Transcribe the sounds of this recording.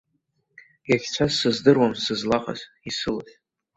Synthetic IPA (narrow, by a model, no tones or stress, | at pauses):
jaχʲt͡sʷʰasɨzdɨrwamsɨzlaqʼa̰z | isɨlatʼ